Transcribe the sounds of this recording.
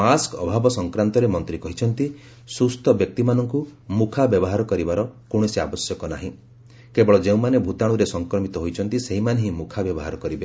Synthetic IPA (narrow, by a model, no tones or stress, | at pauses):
askɔbʱabɔsɔŋkɾant̪ɔɾemɔnt̪ɾikɔɦit͡ʃʰɔnt̪i | sust̪ʰɔbjɔk̚t̪imanɔŋkumukʰabjɔbɔɦaɾɔkɔɾibaɾɔkoɽ̃ɔsiabɔsjɔkɔna̰ɦĩ | kebɔɭɔd͡ʒeũmanebʱut̪aɽ̃uɾesɔŋkɾɔmit̪ɔɦojt͡ʃʰɔnt̪iseɦimaneɦĩmukʰabjɔbɔɦaɾɔkɔɾibe